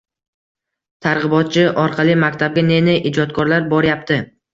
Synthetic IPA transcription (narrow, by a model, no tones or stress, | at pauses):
t̪ʰaɾʁɨbɒt̪̚t͡ʃʰɪʔɒɾqʰɑlˠɪmakʲt̪ʰab̚ɡʲane̞nɪʔɪd͡ʒɒt̪̚kʰɒɾlaɾbɒɾɪjap̚t̪ɪ